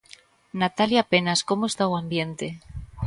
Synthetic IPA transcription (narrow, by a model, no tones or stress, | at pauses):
nat̪aljape̞nasko̞moest̪awambje̞nt̪e